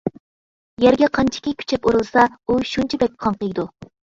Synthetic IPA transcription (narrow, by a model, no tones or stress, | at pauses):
jɛɾɡʲɛqʰɑnt͡ʃʰi̥kʲikʲʰy̥t͡ʃʰɛpuɾɨlˠsɑuʃunt͡ʃʰɛbɛk̚ʲqʰɑŋqəjd̪u